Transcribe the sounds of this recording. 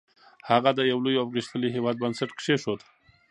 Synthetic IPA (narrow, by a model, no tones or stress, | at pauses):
haɣad̪əjawlujapɣiʃt̪əliɦewɑd̪̚bansaʈkʂeʂod̪